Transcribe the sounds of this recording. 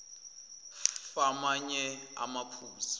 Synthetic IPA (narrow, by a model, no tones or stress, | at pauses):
famaɲɛa̰mapʰuːsḁ